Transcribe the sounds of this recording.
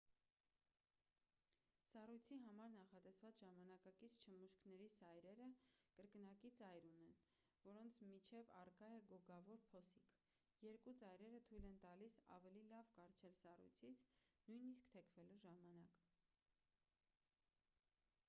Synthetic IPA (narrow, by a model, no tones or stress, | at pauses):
sɑrujt͡sʰiɦɑmɑɾnɑχɑt̪ɛsvɑt͡sʒɑmɑnɑkɑkit͡sʰt͡ʃʰəmuʃkʰnɛɾisɑjɾɛɾəkəɾknɑkit͡sɑjɾunɛn | vɔɾɔnt͡sʰmit͡ʃʰɛvɑ̰rkɑjɛɡɔɡɑvɔɾpʰɔsikʰ | jɛɾkut͡sɑjɾɛɾət̪ʰujlɛnt̪ɑlisɑ̰vɛlilɑvkɑɾt͡ʃʰɛlsɑrṵjt͡sʰit͡sʰnujniskt̪ʰɛkʰvɛluʒɑmɑnɑk